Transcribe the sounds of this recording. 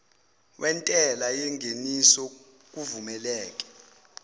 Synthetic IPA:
wʔɛntʼɛlajɛŋʱenisɔ | k̬uvumɛlɛːkʼɛ̥

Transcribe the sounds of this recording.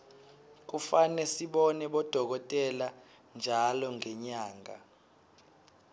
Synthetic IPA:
k̬ufanɛsiɓɔnɛɓɔd̥ʱɔk̬ɔtʼɛla | nd͡ʒʱalɔŋɛɲaːŋa̰

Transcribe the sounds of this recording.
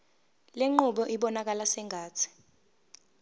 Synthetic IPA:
leŋ͡ǃuɓɔʔiɓɔnak̬alasɛŋʱaːt͡sʰi̥

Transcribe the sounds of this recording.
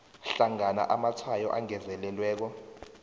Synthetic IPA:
ɬaŋana̰ʔamatʰajɔ̰ʔaŋɛzɛlɛlwɛːk̬ɔ

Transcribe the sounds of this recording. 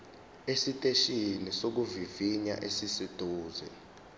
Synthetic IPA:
esitʼeʃinisok̬uviviɲa̰ʔesisid̥ʼʱuːzɛ

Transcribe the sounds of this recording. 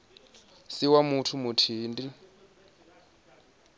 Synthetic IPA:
siwamutʰumutʰiːndi

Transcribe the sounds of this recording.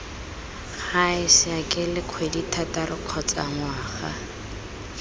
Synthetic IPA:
χaɪsɪakʼɪlɪq͡χʰweditʰataɾʊq͡χʰɔt͡sa̰ŋwaːχa̰

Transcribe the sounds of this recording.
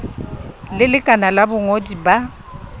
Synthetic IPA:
lɪlɪkʼanalabʊŋodiba

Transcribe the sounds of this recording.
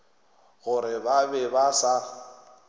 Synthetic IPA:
ɣʊɾɪbabɛbasa

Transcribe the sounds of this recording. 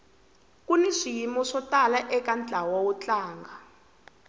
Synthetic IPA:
kuniʂijimɔʂɔtalaʔɛkand͡ɮʱawawɔt͡ɬʼaːŋɡa

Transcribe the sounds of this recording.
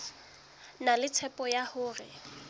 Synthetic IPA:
nalɪt͡sʰɛpʼɔjahʊːrɪ̰

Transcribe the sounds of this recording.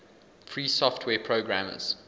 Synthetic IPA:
fɹiːsɔftʰwɛːpʰɹoɡɹãmz̥

